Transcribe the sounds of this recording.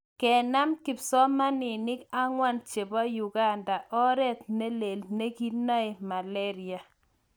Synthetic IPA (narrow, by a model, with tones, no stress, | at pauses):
kɛ˨na˦mki˨psɔ˦ma˦nɪ˨nɪ˦ka˦ŋwa˦nt͡ʃe˨bɔ˦ju˨ɡa˦nda˨ʔɔ˦ɾɛ˦t̪̚ne˦le˨lne˦ɡi˦nɔ˦e˨ma˨lɛ˦ɾɪ˨a˨